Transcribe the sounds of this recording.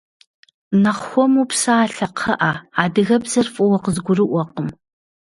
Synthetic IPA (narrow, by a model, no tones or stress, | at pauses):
nɐχxʷɔmupsaaːɬɐqʰɐʔaːaːdɨɣɐbzɐrfʼɔwɔqəzɡʷʊrɨʔʷɔqəm